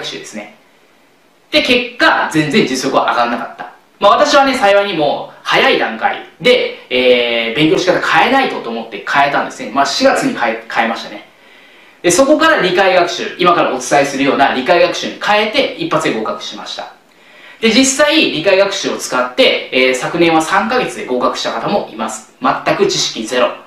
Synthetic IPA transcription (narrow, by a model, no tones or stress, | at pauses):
kɯ̥ɕɨ̰ːd̪e̞sɨne̞ | d̪̥e̞ke̞kːazẽ̞nd͡zẽ̞ɲ̟d͡ʑɨsːo̞kɯ̟βa̰ʔaɡanːakat̪ːḁ | maβ̞at̪aɕiβane̞saiβaiɲ̟imo̞ːhajaid̪ãŋka̰ḭd̪e̞eːbẽ̞ŋkʲo̞ɕikat̪akʰae̞nait̪o̞t̪oːmo̞t̪ːe̞kʰae̞t̪ãnd̪e̞sɨnemaɕiɡat͡sɨɲ̟ikaekʰae̞maɕi̥t̪ane̞ | d̪̥e̞so̞ko̞kaɾaɾʲikaiɡakɯ̟̥ɕɨ̰imakaɾa̰o̞t͡sɨ̥t̪aisɨɾɯ̟jo̞ːnaɾʲikaiɡakɯ̟ɕɨɲ̟ikʰae̞t̪e̞ipːat͡sɨd̪e̞ɡo̞ːkakɯ̟̥ɕimaɕi̥t̪ḁ̰ | d̪e̞d͡ʑisːaiɾʲikaiɡakɯ̟̥ɕɨo̞t͡sɨ̥kat̪ːe̞eːsakɯ̟nẽ̞ɰ̃βasãŋkaɡe̞t͡sɨd̪e̞ɡo̞kakɯ̟ɕi̥t̪akat̪amo̞ʔimasɨ̥mat̪ːakɯ̟t͡ɕiɕi̥kʲize̞ɾo̞̰